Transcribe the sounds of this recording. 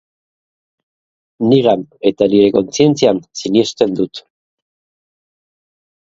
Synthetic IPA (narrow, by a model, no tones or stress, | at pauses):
niɣame̞t̪aniɾe̞ko̞nt͡sie̞nt͡siansinie̞st̪e̞nd̪ut̪